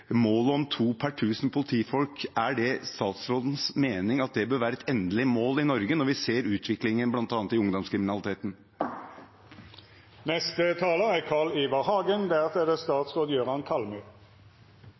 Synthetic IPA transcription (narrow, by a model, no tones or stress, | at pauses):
moːlɔmt̪ʰuːpʰæʈʰʉːsn̩pʰʊlɪt̪ʰiːfɔlkæɖɛst̪ɑːt̪sɾoːd̪ən̩smeːnɪŋɑt̪̚d̪ɛbøːɾʋæːɾəɛt̪ʰɛnd̪əlɪmoːlɪnɔɾɡənɔɾʋɪseːɾʉːt̪ʰʋɪklɪŋənblɑnt̪ɑːnət̪ɪʊŋd̪ɔmskɾɪmɪnɑlɪt̪ʰeːt̪n̩ | nɛst̪ət̪ʰɑːləækʰɑːɭiːʋɑʁhɑːɡənd̪æʁt̪ʰɛd̪əst̪ɑːt̪sʁoːd̪əjøːʁɑnkʰɑlmʉː